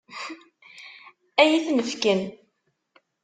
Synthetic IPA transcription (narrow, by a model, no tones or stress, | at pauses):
æjiθnəfkən